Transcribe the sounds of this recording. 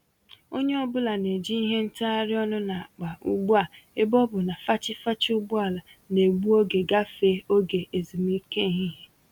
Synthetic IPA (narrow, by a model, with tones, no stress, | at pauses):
o˦ɲe˦ɔ˦bʊ˦la˨ne˨d͡ʒi˦i˦ɦe˦n̩˦ta˦a˦ɾɪ˦ɔ˦nʊ˦na˨a˨k͡pa˨ṵ˦ɡ͡bu˦a˨e˦bɔ˦bʊ˨na˨fa˦t͡ʃɪ˦fa˦t͡ʃɪ˦ʊ˦ɡ͡bʊ˦a˨la˨ | ne˨ɡ͡bu˦o˦ɡe˨ɡa˦fe˦o˦ɡe˨ʔe˨zi˨mi˦ke˦˨ɦi˦ɦe˦